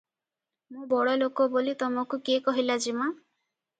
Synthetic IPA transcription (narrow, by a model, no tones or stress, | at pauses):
mũbɔɽɔlokɔbolit̪ɔmɔkukekɔɦilad͡ʒima